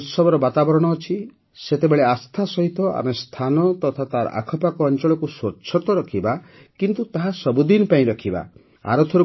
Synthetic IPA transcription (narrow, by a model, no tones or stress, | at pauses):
t̪sɔbɔɾɔbat̪abɔɾɔɽ̃ɔːt͡ʃʰi | set̪ebeɭeast̪ʰasɔɦit̪ɔʔa̰mest̪ʰanɔt̪ɔt̪ʰat̪aɾa̰kʰɔpakɔːnt͡ʃɔɭɔkusot͡ʃʰɔt̪ɔɾɔkʰiba | kint̪ut̪aɦasɔbud̪inpaĩɾɔkʰiba̰ | a̰ɾɔt̪ʰɔɾu